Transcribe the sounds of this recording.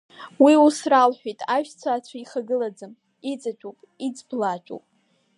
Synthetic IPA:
wiusralħᶣijtʼaʒᶣt͡sʷʰaːt͡ɕʷʰaiχaɡɨlad͡zɨm | it͡sʼat͡ʃʷʼopʼid͡zblat͡ʃʷʼo̰wpʼ

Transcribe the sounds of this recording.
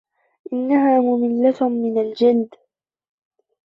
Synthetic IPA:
ʔɪnːaɦaːmʊmɪlːatmɪnald͡ʒɪld̪

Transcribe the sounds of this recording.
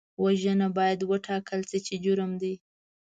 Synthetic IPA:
waʒənabɑjad̪wəʈʰɑkəlt͡sət͡ʃed͡ʒʊɾəmd̪i

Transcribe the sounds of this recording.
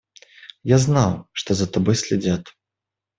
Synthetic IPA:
jaznawʂt̪ɔzɐt̪abɔjsʲlʲɛd͡zʲat̪

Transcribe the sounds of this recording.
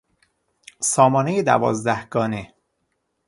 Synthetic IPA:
sɒːmɒːne̞jed̪æ̰vɒ̰ːzd̪æhɡɒːne̞

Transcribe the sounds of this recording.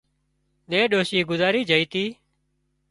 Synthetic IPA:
ɗeːɗoːʃiːɡʊzaːɾiːd͡ʒəiːt̪iː

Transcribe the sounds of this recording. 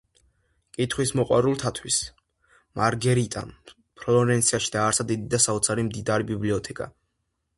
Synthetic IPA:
kʼit̪ʰχwismɔqʼwa̰ɾulˠt̪ʰat̪ʰwis | mʔaɾɡɛɾit̪ʼa̰n | pʰɾɔɔɾɛnt̪sʰiaʃid̪̥aːɾsad̪id̪id̪asaɔt̪sʰaɾimd̪id̪aɾibibliɔt̪ʰɛkʼa̰

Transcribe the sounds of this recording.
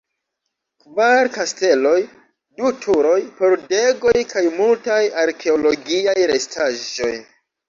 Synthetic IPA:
kvaɾkaste̞lo̞j | dutʰuɾo̞jpo̞ɾde̞ɡo̞jkʰajmultajaɾkʰe̞olo̞ɡiajɾe̞stʰaʒo̞̰j

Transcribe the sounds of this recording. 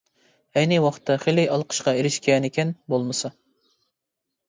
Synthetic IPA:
ɛjnɨwɑχʰt̪ʰːɑχelɪjɑlˠqʰə̥ʃqɑeɾɪʃkʲɛnekʲɛnbolˠmɨsɑ

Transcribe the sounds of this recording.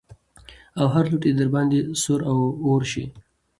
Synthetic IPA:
awɦaɾluʈed̪aɾbɑnd̪esʊɾawoɾʃḭ

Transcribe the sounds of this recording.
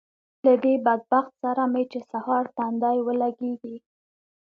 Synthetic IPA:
lad̪ebad̪̚baxt̪saɾamet͡ʃesahɑɾt̪and̪ɑjwəlaɡeɡi

